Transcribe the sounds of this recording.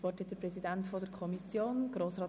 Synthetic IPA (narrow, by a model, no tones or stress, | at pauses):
vɔrtət̚d̥̪əɾpɾɛzidæntfɔdəɾkʰɔmisjoːnɡ̥ɾoːsrɑː